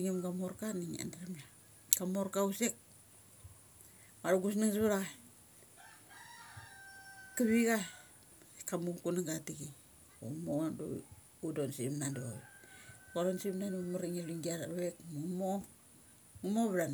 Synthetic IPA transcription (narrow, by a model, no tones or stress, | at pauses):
iŋimɡamoɾkaniŋa̰ndaɾemla | kamoɾkausek | maɾuɡusnaŋsβaɾa | kaβiɡa | kamuŋkunaŋɡatiɡi | o̰modo̰ | udonsimnando | koɾonsimnandomaɾiŋeluŋɡiaɾaβekmuŋmo | ŋumoβɾan